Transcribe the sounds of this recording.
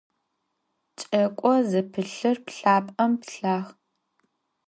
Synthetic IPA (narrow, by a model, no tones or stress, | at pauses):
t͡ʃʼɐkʷʼɔzɨpʰɨɬɨrpɬaːpʼɐmpɬaːx